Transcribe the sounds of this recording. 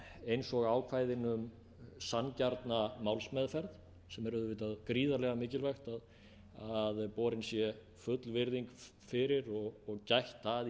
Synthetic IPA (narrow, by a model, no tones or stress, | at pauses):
ejnsɔɣaːwkʰvaːjðɪnʏm | sancaɾt̪namawlsmɛðfɛɾð | sɛmɛɾʏðʏvɪːt̪aðkɾiːðaɾlɛɣamɪːcɪlvɛxt̪að | aðpɔːɾɪnsjɛ | fʏt̪lvɪɾðiŋk | fɪɾɪɾɔɣɔɣcajht̪að